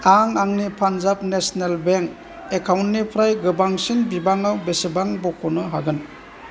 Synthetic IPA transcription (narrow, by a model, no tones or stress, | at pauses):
aŋaŋnipʰanzap̚nesnelbeŋk | ekʰawntnipʰɾajɡɯbaŋsinbibaŋawbesibaŋbɔkʰɔnɯɦaɡɯn